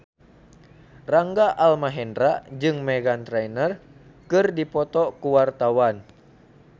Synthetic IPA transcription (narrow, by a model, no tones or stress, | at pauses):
raŋɡaʔalmaɦɛndɾad͡ʒɨŋmɛɡant̪ɾɛjnər | kɨrdipɔt̪ɔkuwart̪awan